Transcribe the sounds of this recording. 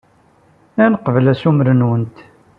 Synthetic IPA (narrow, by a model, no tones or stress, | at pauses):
ænəqəvəlæsuməɾənwənt̪